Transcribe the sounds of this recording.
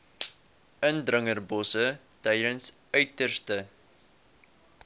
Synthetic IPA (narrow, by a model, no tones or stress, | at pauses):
əndrəŋərbɔsə | tɛjdənsœɥtərstə